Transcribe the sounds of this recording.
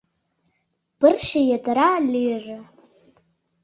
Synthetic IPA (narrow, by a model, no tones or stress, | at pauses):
b̥ɨrʃajadaɾaleːʐa